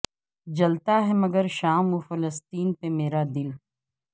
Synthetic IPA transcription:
d͡ʒɐlt̪aɦɛmɐɡəɾʃaːmufɐləst̪iːnpemeːɾad̪ɪl

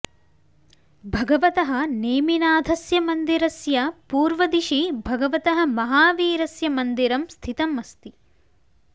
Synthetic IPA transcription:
bʱɐɡɐʋɐt̪ɐɦɐ̆neːminaːd̪ʱɐsjɐmɐnd̪iɾɐsjɐpuːɾʋɐd̪iʃibʱɐɡɐʋɐt̪ɐɦɐ̆mɐɦaːʋiːɾɐsjɐmɐnd̪iɾɐmst̪ʰit̪ɐmɐst̪i

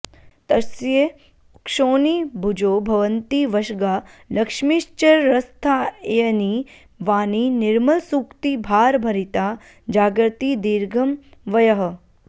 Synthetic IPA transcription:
t̪ɐsje | kʃoːnibʱud͡ʒoːbʱɐʋənt̪iʋɐʃɡaːlɐkʂmiʃt͡ʃɐɾːɐst̪ʰajɐni | ʋaːninɪɾmɐlsukt̪ibʱaːɾbʱɐɾit̪a | d͡ʒaːɡɾt̪id̪iːɾɡʱɐmʋɐjɐɦɐ̆

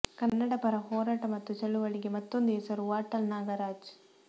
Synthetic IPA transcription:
kɐnːɐɽɐpɐɾɐhoːɾaːʈɐmɐt̪ːut͡ʃɐɭːuʋɐɭiɡemɐt̪ːond̪esɐɾuʋaːʈːɐlnaːɡɐɾaːd͡ʒ

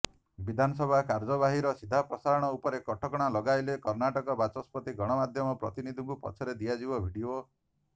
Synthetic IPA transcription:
bid̪ʱanɔsɔbʱakaɾd͡ʒɔβaɦiɾɔsid̪ʱapɾɔsaɾɔɽ̃ɔupɔɾekɔʈʰɔkɔɽ̃alɔɡajlekɔɾnaʈɔkɔbat͡ʃɔspɔt̪iɡɔɽ̃ɔmad̪ʱjɔmɔpɾɔ̰t̪inid̪ʱuŋkupɔ̰t͡ʃʰɔɾed̪ijad͡ʒibɔbʱiɖio

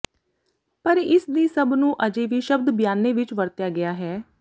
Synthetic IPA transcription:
pəɾɪsd̪iːsəbnũːʔəd͡ʒeːʋiːʃəb̚d̪bjaːnːeːʋɪt͡ʃʋəɾt̪jaːɡɪjaːɦɛː

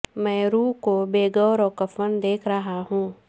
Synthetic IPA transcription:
mɛ̃ːɾuːkobeːɡɔːɾɔːkɐfənd̪eːkʰɾɐɦaɦũː

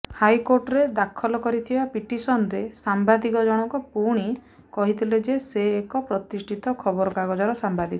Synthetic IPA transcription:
hajkoɾʈɔɾed̪akʰɔlɔkɔɾit̪ʰibapiʈisɔnɾesambad̪ikɔd͡ʒɔɽ̃ɔkɔpuɽ̃i | kɔɦit̪ʰiled͡ʒeseːkɔpɾɔt̪isʈʰit̪ɔkʰɔbɔɾɔkaɡɔd͡ʒɔɾɔsambad̪ikɔ

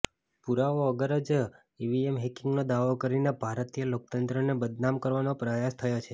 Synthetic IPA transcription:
puɾaoəɡəɾəd͡ʒ | iʋiemɦɛkɪŋɡnod̪aʋokəɾinebʱaɾət̪ijəlok̚t̪ənt̪ɾənebəd̪namkəɾʋanopɾəjast̪ʰəjot͡ʃʰe

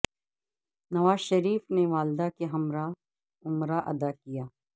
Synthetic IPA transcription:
nɐʋaːzʃɐɾiːfneʋaːld̪akeɦɐmɾa | ʊmɾaʔɐ̰d̪akijaː

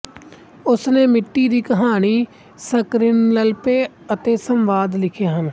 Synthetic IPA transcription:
ʊsneːmɪʈːiːd̪iːkəɦaːɳiː | səkɾɪnləlpeː | ət̪eːsəmʋaːd̪lɪkʰjaːɦən

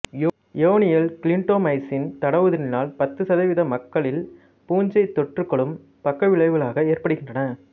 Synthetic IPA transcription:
j | joːnɪjɐlkɪɭɪɳʈoːmɐɪsɪnt̪ɐɽɐʋɐðɯɪnɪnaːlpɐt̪ːɯsɐðɐʋɪðɐmɐkːɐɭɪl | puːɲd͡ʒɐɪt̪ːɔʈːrɯkːɐɭɯm | pɐkːɐʋɪɭɐɪʋɯlaːɣɐeːrpɐɽɯɣɪndrɐnɐ

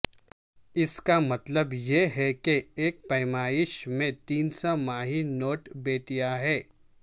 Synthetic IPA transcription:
ɪskamɐt̪ləbjeɦɛkeeːk̚pɐɪmaːɪʃmẽt̪iːnsamaːɦinoːʈbeːʈijaɦɛː

